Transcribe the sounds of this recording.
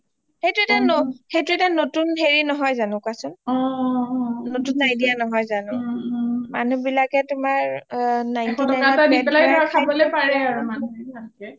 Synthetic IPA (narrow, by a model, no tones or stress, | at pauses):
xejtʊɛtanɔxejtʊɛtanotunɦeɹinɔɦɔjzanʊ̃kasʊnɔ | notunːajdijanɔɦɔjzanʊ̃ | ma̰nubilakɛtʊmaɹnajiɔtɔakaataipɛlajɔɹakʰabɔlɔjpaɹɛaɹumanuankɛ